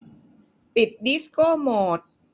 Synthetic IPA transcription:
pi˨˩t̪̚di˦˥skoː˥˩moː˨˩t̪̚

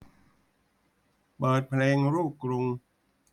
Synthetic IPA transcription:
pɤː˨˩t̪̚pʰleː˧ŋɾuː˥˩p̚kɾu˧ŋ

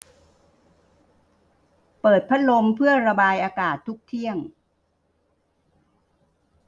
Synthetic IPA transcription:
pɤː˨˩t̪̚pʰa˦˥t̪̚lo˧mpʰɯ˥˩əɾa˧baː˧jʔaː˧kaː˨˩t̪ʰːu˦˥k̚t̪ʰi˥˩əŋ

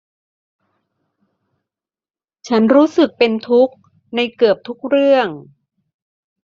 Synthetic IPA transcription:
t͡ɕʰa˦˥nɾuː˦˥sɯ˨˩k̚pe˧nt̪ʰu˦˥k̚ | na˧jkɯ˨˩əp̚t̪ʰu˦˥k̚ɾɯ˥˩əŋ

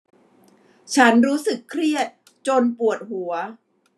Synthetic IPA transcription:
t͡ɕʰa˦˥nɾuː˦˥sɯ˨˩kʰːɾi˥˩ət̪̚ | t͡ɕo˧npu˨˩ət̪̚hu˩˦ɐ

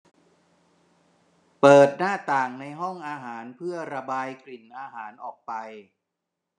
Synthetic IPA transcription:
pɤː˨˩t̪̚naː˥˩t̪aː˨˩ŋna˧jɦɔ˥˩ŋʔaː˧ɦaː˩˦npʰɯ˥˩ɐɾa˧baː˧jkli˨˩nʔaː˧ɦaː˩˦nʔɔː˨˩k̚pa˧j

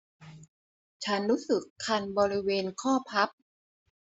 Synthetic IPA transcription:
t͡ɕʰa˦˥nɾuː˦˥sɯ˨˩kʰːa˧nbɔː˧ɾi˦˥weː˧nkʰɔː˥˩pʰa˦˥p̚

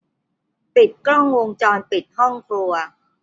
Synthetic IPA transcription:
pi˨˩t̪̚kɾɔ˥˩ŋwo˧ŋt͡ɕɔː˧npi˨˩t̪̚hɔ˥˩ŋkʰlu˧ɐ

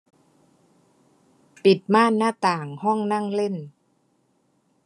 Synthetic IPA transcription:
pi˨˩t̪̚maː˥˨nːaː˥˩t̪aː˨˩ŋhɔ˥˩ŋna˥˩ŋle˥˩n

